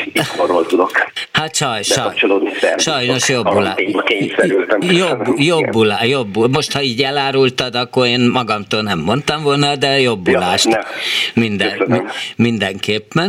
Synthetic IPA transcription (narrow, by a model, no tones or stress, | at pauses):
oɾolt̪ud̪okhat̪ʃɒjʃɛɒjt͡ʃoloːd̪niɛʃɒjno̞ʃjobːula̰keːɲsɛylt̪ɛmjobːjobːulajobːulmo̞ʃt̪hɒiːɟɛlaːɾult̪ɒd̪ɒkːoreːnmɒɡɒmt̪oːlnɛmːo̞nt̪ɒmvolnɒd̪ɛjo̞bːulaːʃt̪mind̪ɛnmind̪ɛŋkeːpːɛn